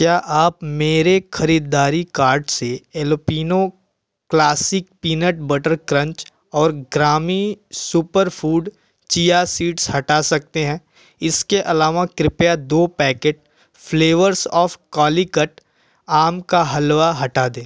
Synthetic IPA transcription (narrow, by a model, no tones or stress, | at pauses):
kjaːʔaːpmeːɾexɐɾiːd̪aːɾikaːɾɖseeːlopiːno | klaːsɪk̚piːnəʈbɐʈəɾkɾə̃ɲt͡ʃ | ɔːɾɡɾaːmisupəɾfʰuːɖ | t͡ʃijasiːʈshɐʈasɐk̚t̪eɦɛ̃ː | ɪskeʔɐlaːʋakɾɪpjad̪oːpɛːkeːʈ̚ | fʰleːʋəɾsɔːfkɔːlikəʈ | aːmkaɦɐlʋaɦɐʈaːd̪ẽː